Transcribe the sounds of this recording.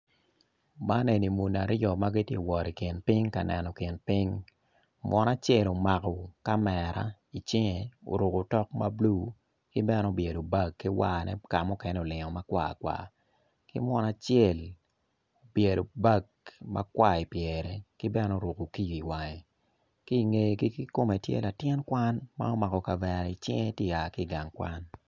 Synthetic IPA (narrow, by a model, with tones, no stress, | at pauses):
ma˦ne˨ni˨mu˨na˨ɾjɔ˨ma˦ɡi˦tje˦˨wɔ˨ɾi˨kɪ˨npi˦ŋka˨nɛ˨nɔ˨kɪ˨npi˦ŋ | mwʔɔ˦na˦t͡ʃɛ˦˨lo˨ma˨kɔ˨ka˦mɛ˨ɾa̰˦ | i˨t͡ʃɪ˦ŋɛ˨o̰˨ɾu˨ko˨tɔ˦k̚ma˦blu˦˨ | kɪ˦bɛ˦no˦˨bje˨do˨ba˦˨kːi˦wa˨nɛ̰˦ka˨mʊ˦kɛ˦nɛ˦o˨lɪ˨ŋɔ˨ma˦kwa̰˨kwa̰˨ | kɪ˦mwɔ˦na˦t͡ʃjɛ˦˨l | o˨bje˨do˨ba˦˨ɡ | ma̰˦kwa˦˨i˨pjɛɾɛ˨kɪ˦bɛ˦no˦o˨ɾo˨ko˨ki˦ji˨wa˨ŋe˨ | ki˦i˨ŋe˨ki˦i˦ko˦me˨tjḛ˦la˨tjɛ˦nkwa˦nma̰˦o˦ma˨kɔ˨ka˨vɛ˨ɾa˨i˨t͡ʃɪ̰˦ŋe˦tji˦˨a˨ki˦˨ɡa˨ŋkwa̰˦n